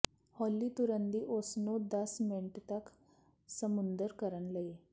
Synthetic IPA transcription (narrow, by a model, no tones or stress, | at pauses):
hɔlːit̪uɾənd̪iʔosnod̪əsmeɳʈt̪ɐk | səmund̪əɾkəɾəɳləe